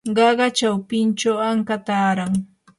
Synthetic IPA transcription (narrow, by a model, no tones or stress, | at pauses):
ɢɑɢɑt͡ʃawpɪnt͡ʃawaŋkat̪aːɾaŋ